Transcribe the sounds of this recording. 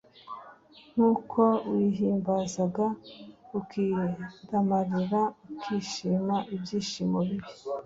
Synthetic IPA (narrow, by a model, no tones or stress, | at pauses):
ŋ̥uːkʰo̞wiɦiːmbazaɡaukidamaɾiɾaukʰiːʃiːmaʔibjiːʃiːmoβiβi